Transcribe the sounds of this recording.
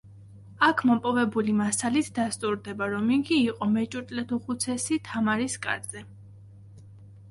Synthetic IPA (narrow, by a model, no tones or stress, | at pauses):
akʰmɔpʼɔvɛbulimasalit̪ʰd̪ast̪ʼuɾd̪ɛbaɾɔmiɡiːqʼɔmɛt͡ʃʼuɾt̪ʼlɛt̪ʰuχut̪sʰɛsit̪ʰamaɾiskʼa̰ɾz̥ɛ